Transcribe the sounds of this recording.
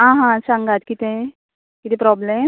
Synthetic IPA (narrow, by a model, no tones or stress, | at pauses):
ɦãɦãsãŋɡat̪kit̪e | kit̪ẽpɾɔble